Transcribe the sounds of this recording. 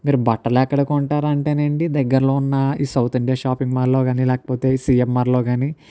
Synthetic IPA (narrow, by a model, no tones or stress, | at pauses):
miːɾubɐʈːɐlɛkːɐɽɐkɔɳʈaːɾɐɳʈeːneːɳʈid̪ɛɡːɐɾɐlo̞ːunːɐiːsɐwt̪iɳɖijaːʃaːpiŋɡmaɾlo̞ːɡaːnilɛːkɐ̥po̞ːt̪e̞ːiːsiːjemːaːɾlo̞ːɡaːni